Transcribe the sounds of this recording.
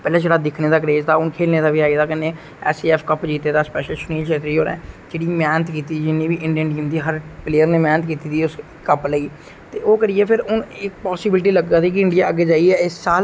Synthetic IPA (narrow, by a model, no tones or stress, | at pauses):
pɛːlãːd͡ʒeːɽaːd̪ɪkʰneːd̪aːk̬əɾeːzd̪aːʊnkʰeːlneːd̪aːʋiːaːiːd̪aːkənːẽː | ɛ̰ːsiɛːpʰkəpd͡ʒiːt̪eːd̪aːspɛːʃəlʃʊniːlʃʰeːt̪ɾiːɦoːɾɛ̰ːd͡ʒeːɽiːmɛːnət̪kiːt̪iːd͡ʒɪnːĩːʋiːʔɪ̃ɳɖiəɳɖiəmd̪iːɦəɾpleːəɾneːmɛːnət̪kiːt̪iːd̪iːʊs | kəpləiː | t̪eːʔoːkəɾiɛːpʰɪɾʊnɪkpɔːsɪbɪlʈ̬iːləɡd̪aːd̪iːk̬ɪɪ̃ɳɖijaːəɡːeːd͡ʒaːiːɛːɪsːaːl